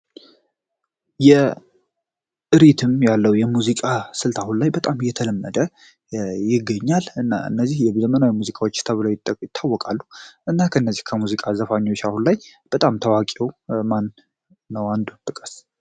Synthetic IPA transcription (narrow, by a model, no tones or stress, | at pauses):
jɛ | ʔɨɾit̪ʰɨmjalːəwjɛmuzikʼasɨlt̪ʰahunlajbət̪ʼamɨjɛt̪ʰələmːəd̪ə | jɪɡːəɲːalɨnːa̰ɨ̰nːəzːihjɛzəmənawimuzikʼawot͡ʃːsɨ̥lt̪ʰaβɨləwjɪt̪ʼːəjɪt̪ʰːawːɔkʼalːuʔɨnːakʰəɨnːəzːihkʰəmuzikʼazəfaɲːo̞t͡ʃːahunlajb̥ət̪ʼamt̪ʰəwakʼewmanː | əwand̪ut̪ʼːɨkʼəs